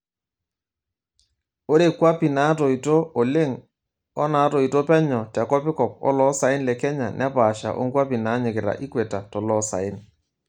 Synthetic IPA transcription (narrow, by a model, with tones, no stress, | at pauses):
o˦ɾe˨kwa˦pi˨na˨˦tɔ˨i˨to˦o˨le˦ŋ | ɔ˦na˨˦tɔ˨i˨to˦pɛ˦ɲɔ˨ta˨kɔ˦pɪ˦kɔ˨p̚ɔ̰˦lɔ˦sa˨ɪ˦nlɛ˨kɛ˦ɲa˨nʔɛ˦paː˨ʃa̰˨ʔo̰˦ŋkwa˦pi˨na˨˦ɲɪ˨kɪ˨ɾa̰˨ʔɪ˦kwe˨ta˨tɔ˨lɔ˨˦sa̰˨ɪ˦n